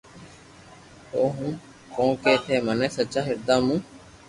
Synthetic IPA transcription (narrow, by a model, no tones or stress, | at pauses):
oːɦũː | kõːkeːt̪ʰeːməneːsət͡ʃaːɦɪɾd̪aːmũː